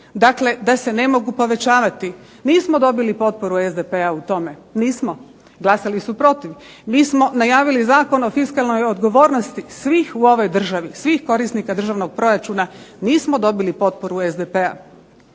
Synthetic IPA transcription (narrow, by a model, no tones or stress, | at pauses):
d̪akle̞d̪ase̞ne̞mo̞ɡupo̞ʋe̞t͡ɕaːʋat̪i | niːsmo̞d̪o̞bilipo̞t̪̚po̞ɾuezd̪epe̞aut̪o̞me̞niːsmo̞ | ɡlˠasalisupɾo̞t̪iʋ | miːsmo̞najaːʋilizaːko̞no̞fiskalno̞jo̞d̪ɡo̞ʋo̞ːɾno̞st̪isʋiːxuo̞ʋo̞jd̪r̩ʒaʋisʋixko̞ɾisnikad̪r̩ʒaːʋno̞ɡ̚pɾo̞ɾat͡ʃuːnaniːsmod̪o̞bilipo̞t̪̚po̞ɾuezd̪epe̞a̰